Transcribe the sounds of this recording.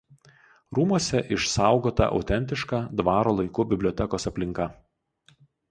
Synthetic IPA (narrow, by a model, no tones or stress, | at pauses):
ɾuːmɔsʲɛʔɪʃsɑˑʊɡoːt̪ɐ̰ʔɐ̰ʊt̪ʲɛnʲt̪ʲɪʃkɑd̪ʋɑːɾoːlˠɐɪkuːbʲɪbʲlʲɔːt̪ʲɛkoːsɐpʲlʲɪŋkɐ